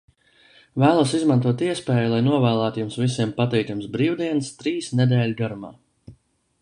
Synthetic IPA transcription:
væːlˠusizmant̪uɔt̪iɛspɛːjulˠajnuɔvæːlˠæːt̪jumsvisiɛmpat̪ɛjt̪umsbɾiːwd̪iɛnst̪ɾiːsnɛd̪ɛːlʲɡaɾuma̰ː

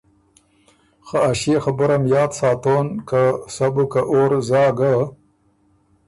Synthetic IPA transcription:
xaaʃeːxabʊɾamjɑːd̪sɑːt̪oːnkasabukaʔoɾzɑːɡa

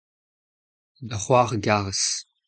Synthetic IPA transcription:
dɐχʷɑːʁɡaːʁəs

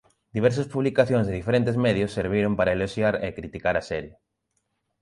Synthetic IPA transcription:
d̪iβ̞ɛɾs̬ospuβlikaθjõŋzðeðifeɾent̪ezmeðjosːeɾβ̞iɾompaɾaeloʃjaɾekɾit̪ikaɾasɛɾje

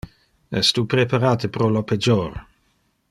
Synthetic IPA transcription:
ɛ̰st̪upɾepʰaɾaːt̪əpɾolopʰɛd͡ʒor

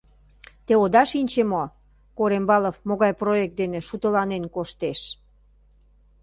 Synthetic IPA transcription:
t̪eod̪ɑʃinʲt͡ɕemo | koɾembɑləfmoɣɑjproek̚t̪̚d̪enĕʃut̪əlɑnenkoʃt̪eʃ

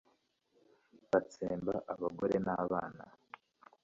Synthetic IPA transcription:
βat͡seːmbaʔaβaɡoɾe̞naːβaːna̰

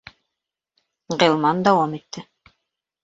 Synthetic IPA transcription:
ʁilˠmɑnd̪ɑwɑmit̪ʰːɘ

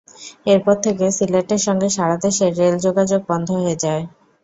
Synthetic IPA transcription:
eɾpɔɾt̪ʰek̬esileʈeɾʃɔŋɡeʃaɾad̪eʃeɾːeld͡ʑoɡad͡ʑoɡ̚bɔnd̪ʱoɦoed͡ʑae

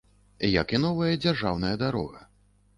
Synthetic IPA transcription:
jɐ̰kinɔvɐjɐd͡zʲarʐawnɐjɐd̪aɾɔ̰ɣɐ

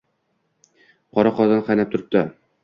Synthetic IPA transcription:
qʰɒɾaqɒd̪anqʰɑjnap̚t̪ʰʊɾɪ̥p̚t̪a

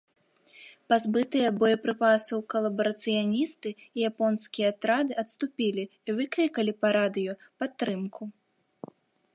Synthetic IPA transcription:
pazbɨt̪ɨjɐbɔjɐpɾɨpasɐwkɐlˠɐbɐɾɐt̪sɨjanʲist̪ɨijapɔnskʲijɛat̪ɾad̪ɨɐt̪st̪upʲilʲiːvɨklʲikɐlʲipɐɾad̪ɨjɔpat̪ːɾɨmkʰu

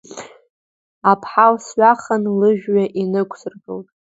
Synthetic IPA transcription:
apʰħalsɥaχanlɨʒᶣɥaʔinɨkʷʰsɨrɡɨltʼ

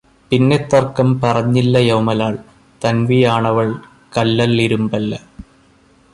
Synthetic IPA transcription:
pinːet̪ːɐrkːɐmpɐrɐɲːilːɐjɐwmɐlaːɭ | t̪ɐnʋijaːɳɐʋɐɭ | kɐlːɐlːiɾumbɐlːɐ

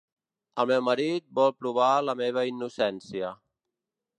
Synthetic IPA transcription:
əlˠmɛwməɾit̪̚bɔlˠpɾuβ̞aləmeβ̞əinːusɛnsiə

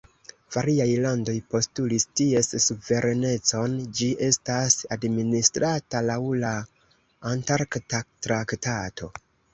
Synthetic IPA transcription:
v̥aɾiajlando̞jpo̞stulistie̞ssuve̞ɾʔe̞ne̞t͡so̞nd͡ʒiʔe̞stasadministɾatalawlaː | ntaɾktatɾaktatʰo̞

